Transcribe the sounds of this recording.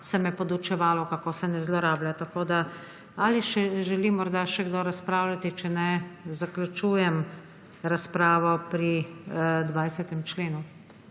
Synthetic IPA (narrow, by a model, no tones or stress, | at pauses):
sɛmɛpɔd̪ut͡ʃɛʋaːlɔkakoːsɛnɛzlɔɾaːblʲjat̪akoːd̪a | aːliʃɛʒɛlimɔɾd̪aʃɛɡd̪ɔɾaspɾaːwlʲat̪it͡ʃɛnɛzaklʲut͡ʃuːjɛm | ɾaspɾaːʋɔpɾi | d̪ʋajsɛt̪ɛmt͡ʃleːnu